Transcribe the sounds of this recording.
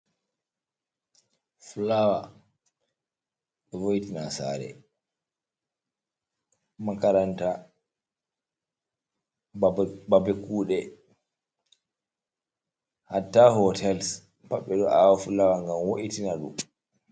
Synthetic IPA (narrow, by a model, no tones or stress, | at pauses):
fulawa | ɛvojitinasa̰ːɾɛ̰ | makaɾanta | babɛkuːɗɛ | hatːahɔtʰɛls | paɓːɛɗɔʔawafulawaŋɡamwoʔitinaɗu